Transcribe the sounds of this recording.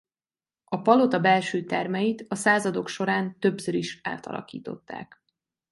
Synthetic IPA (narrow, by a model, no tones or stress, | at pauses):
ɒpɒlo̞t̪ɒbɛlʃyːt̪ɛrmɛjit̪ɒsaːzɒd̪o̞kʃo̞ɾaːnt̪ø̞bsøɾiʃa̰ːlt̪ɒ̰lʔɒ̰kḭːt̪o̞t̪ːa̰ːk